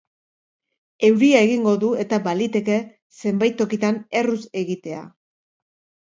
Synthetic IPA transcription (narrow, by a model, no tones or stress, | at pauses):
e̞wɾiae̞ɣiŋɡo̞ðue̞t̪abalit̪e̞ke̞ | se̞mbajt̪ːo̞kit̪ane̞ruse̞ɣit̪e̞a̰